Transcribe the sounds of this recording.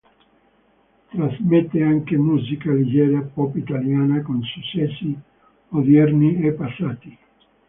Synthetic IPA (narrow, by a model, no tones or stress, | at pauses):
t̪ɾazmet̪ːeaŋkemuːzikalid͡ʒɛːɾapɔpit̪aljaːnakonsut͡ʃːɛsːi | mod̪ɛrniepːasːaːt̪i